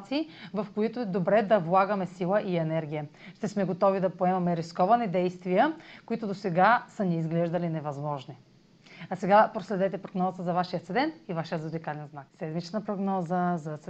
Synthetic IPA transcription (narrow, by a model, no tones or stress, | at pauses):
t̪siːvɐfkoit̪ʊɛd̪obɾɛd̪ɐvlˠaɡɐmɛsilˠəʔiɛnɛɾɡʲijəʃt̪ɛsmɛɡot̪ɔvid̪ɐpoɛmɐmɛɾiskɔvɐnid̪ɛjst̪vijəkoit̪ʊd̪osɛɡasəniizɡlɛʒd̪ɐlinɛvɐzmɔʒni | sɛɡapɾoslɛd̪ɛt̪ɛpɾoɡnɔzət̪əzɐvaʃijət̪sɛd̪ɛnt̪ivaʃijəud̪ikalɛnznaksɛd̪mit͡ʃnəpɾoɡnɔzəzɐt̪s